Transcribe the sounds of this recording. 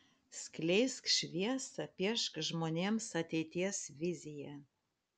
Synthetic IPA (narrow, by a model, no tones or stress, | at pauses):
sʲklʲejskʃʲʋʲiɛsɐpʲiɛʃkʒmoːnʲemsɐt̪ʲeɪt̪ʲiɛsvʲizʲijæ